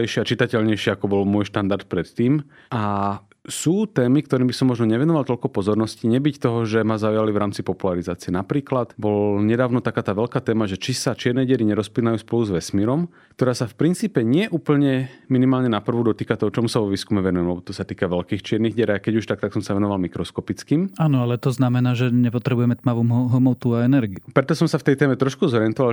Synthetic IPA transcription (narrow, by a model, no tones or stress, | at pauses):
ɛʃɪɛat͡ʃit̪acɛʎɲɛjʃɪɛakɔbɔlmʊɔjʃt̪and̪aɾt̪̚pɾɛt̪ːiːm | a | suːt̪ɛːmikt̪ɔɾiːmbisɔmːɔʒnɔɲɛʋɛnɔʋalt̪ɔʎkɔpɔzɔɾnɔsciɲɛbict̪ɔɦɔʒɛmazaujalivɾaːmt͡sipɔpulaɾizaːt͡siɛnapɾiːklat̪bɔlɲɛd̪aːʊnɔt̪akaːt̪aːʋɛlkaːt̪ɛːmaʒɛt͡ʃisat͡ʃɪɛɾnɛɟɛɾiɲɛɾɔsplinajuːspɔluzʋɛsmiɾɔm | kt̪ɔɾaːsafpɾint͡siːpɛɲɪɛʔuːpl̩ɲɛminimaːlɲɛnapr̩ʋud̪ɔt̪iːkat̪ɔɦɔt͡ʃɔmusaʋɔʋiːskumɛʋɛnujɛmɛbɔt̪ɔsat̪iːkaʋɛlkiːxt͡ʃɪɛɾniɣɟɛɾaakɛɟuʃt̪ak̚t̪aksɔmsaʋɛnɔʋalmikɾɔskɔpit͡skiːmaːnɔalɛt̪ɔznamɛnaːʒɛɲɛpɔt̪ɾɛbujɛmɛt̪maʋuːmɦɦɔmɔʊt̪uaɛnɛɾɡiupɾɛt̪ɔsɔmsaft̪ɛjt̪ɛːmɛt̪ɾɔʃkuzɔɾɪɛnt̪ɔʋal